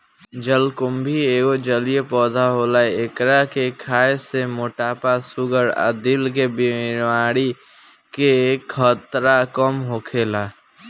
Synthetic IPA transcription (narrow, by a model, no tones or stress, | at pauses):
d͡ʒəlkʊmbʱieːɡod͡ʒəlijepɔːd̪ʱaɦoːlaeekɾakekʰaːesemoʈaːpasʊɡəɾə̰d̪ilkebimaːɽi | kekʰːət̪ɾakəmɦokʰeːla